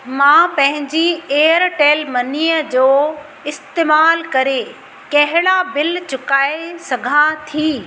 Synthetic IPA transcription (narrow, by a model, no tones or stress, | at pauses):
mãːpɐ̃ɦɪ̃ɲd͡ʑieːəɾʈeːlmɐniːjəd͡ʑoː | ɪst̪eːmaːlkɐɾe | kɐɦɪɽabɪlt͡ɕʊkaːesɐɡʱãt̪ʰiː